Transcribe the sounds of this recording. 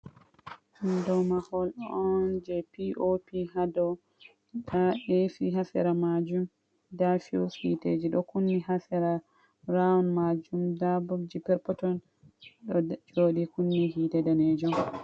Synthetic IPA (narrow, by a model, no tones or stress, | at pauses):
ʔandɔmahɔlɗɔɔnd͡ʒɛpiʔopihadɔ | daʔefiɦasɛ̰ɾamad͡ʒum | dafiwfḭted͡ʒiɗɔkunːihasɛɾa | ɾanmad͡ʒumdabɔd͡ʒipɛɾpɔtɔn | ɗɔd͡ʒoɗikunːihidɛdaned͡ʒɔm